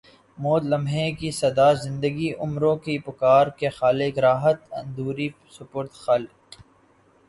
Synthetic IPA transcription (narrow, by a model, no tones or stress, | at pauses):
moːd̪lɐmɦẽkisɐd̪aːzɪ̃nd̪əɡiʔʊmɾõkipʊkaːɾkexaːlɪɡɾaːɦət̪ɐ̰̃nd̪uːɾi | sʊpoːɾt̪xaːl